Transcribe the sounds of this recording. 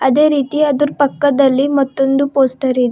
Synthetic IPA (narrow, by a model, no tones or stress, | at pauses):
ɐd̪e̞ːɾiːt̪iɐd̪uɾupɐkːɐd̪ɐlːimɐt̪ːond̪upoːsʈɐɾid̪e